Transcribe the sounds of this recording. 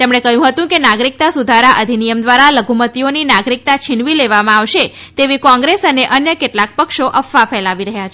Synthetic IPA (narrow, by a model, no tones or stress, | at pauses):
t̪emɳ̃ekəjũɦət̪ũkenaɡɾik̚t̪asud̪ʱaɾaʔəd̪ʱinijəmd̪ʋaɾaləɡʱumət̪ioninaɡɾik̚t̪at͡ʃʰiɳʋileʋamãaʋʃe | t̪eʋikɔ̃ŋɡɾesəneʔənjəkeʈlak̚pəkʃoʔəfafʰɛlaʋiɾəɦjat͡ʃʰe